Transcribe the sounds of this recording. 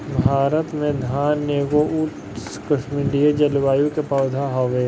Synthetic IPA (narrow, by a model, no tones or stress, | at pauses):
bʱaːɾət̪mẽd̪ʱaːnːeːɡouʈ | skəʃmɪ̃ɖied͡ʒɐlʋaːjũkepaːd̪ʱaɦɔʋeː